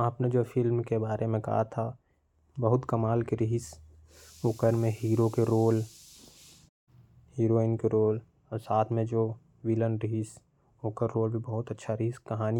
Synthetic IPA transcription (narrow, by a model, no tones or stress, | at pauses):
aːpned͡ʒoːfɪlmkebaːɾʔemẽkɐ̰ɦa̰t̪ʰa | bɐɦʊt̪kɐmaːlkeɾɪɦɪs | ʊkəɾmẽɦiːɾokeɾoːl | hiːɾoːɪnkeɾoːl | ɔsaːt̪ʰmẽd͡ʒoː | ʋiːlə̃nɖɾɪɦis | oːkəɾːoːlbʱibɐɦʊt̪ɐtːʃʰaɾɪɦɪskɐɦaːni